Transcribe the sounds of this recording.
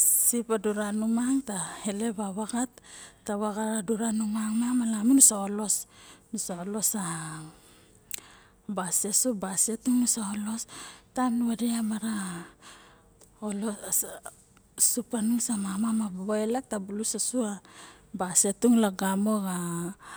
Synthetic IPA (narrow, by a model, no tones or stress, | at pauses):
sipaduɾanumaŋtahele̞βaβaɡatːaβaɡaɾaduɾanumaŋmamalamunusaolo̞snusaolo̞sa | basesubasetuŋnusaolo̞stanuadiamaɾa | olo | supanuŋsamamamabaβoelek̚tabulusasuabasetuŋlaɡamo̞ɡa